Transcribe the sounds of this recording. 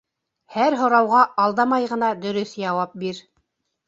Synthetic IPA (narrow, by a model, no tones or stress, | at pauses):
hæɾɦŏɾɑwʁɑʔɑlˠd̪ɑmɑjʁɤ̆nɑd̪ɵ̆ɾɵθjɑwɑp̚biɾ